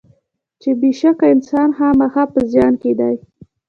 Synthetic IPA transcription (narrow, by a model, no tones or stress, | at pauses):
t͡ʃebeʃakaɪnsɑnhamaxaɑpəzjɑnked̪aj